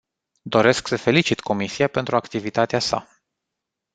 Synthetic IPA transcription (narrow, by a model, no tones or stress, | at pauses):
d̪o̞ɾe̞sksəfe̞lit͡ʃit̪ko̞misiape̞nt̪ɾuakt̪ivit̪at̪easa̰